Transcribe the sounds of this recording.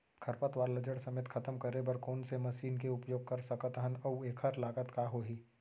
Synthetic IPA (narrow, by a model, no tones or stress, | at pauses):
kʰɐɾpət̪ʋaːɾlɐd͡ʒəɽsɐmeːt̪kʰɐt̪əmkɐɾebɐɾkoːnsemɐʃiːnkeʊpjoːɡ̚kɐɾsɐkət̪ɦənɐweːkʰəɾlaːɡət̪kaɦoːɦiː